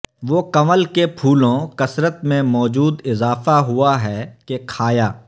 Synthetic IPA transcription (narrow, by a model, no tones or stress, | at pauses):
ʋoːkɐməlkepʰuːlõkɐsɾət̪mẽmɔːd͡ʒuːd̪ɪzaːfaɦʊaɦɛːkekʰaːjaː